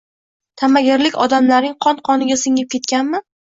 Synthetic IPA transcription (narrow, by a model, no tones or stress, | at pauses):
t̪ʰamaɡʲɪɾlɪkʲɒd̪amlaɾnɪŋqʰɒnqʰɒnɪɡʲasɪŋɪp̚kʲet̪̚kʲanmɪ